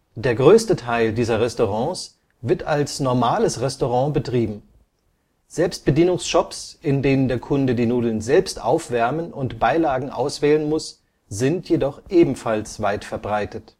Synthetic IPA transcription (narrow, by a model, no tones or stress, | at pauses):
d̥eːɐɡʁøːstətʰaɪldiːzɐʁɛstoʁɑ̃ːs | vɪɐtalsnɔɐmaːləsʁɛstoʁ̞ɑ̃ːbətʁ̥iːbm̩ | z̥ɛlpst̚b̥ədiːnʊŋsʃɔpsʔɪndeːnəndeːɐkʰʊndədiːnuːdl̩nzɛlpstʔa̰ʊfv̥ɛɐmənʊntb̥aɪlaːɡŋ̩ʔa̰ʊsv̥ɛːlənmʊs | z̥ɪntʰjedɔχʔeːbm̩falsv̥aɪtfɛɐbʁaɪtət